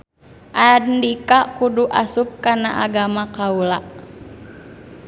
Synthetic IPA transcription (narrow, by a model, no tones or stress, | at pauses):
ʔadndikakuduʔasup̚kana̰ʔaɡamakaula